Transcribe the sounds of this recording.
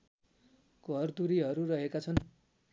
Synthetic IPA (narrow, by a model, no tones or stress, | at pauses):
ɡʱʌrd̪uɾiɦʌɾurʌɦekat͡sʰʌn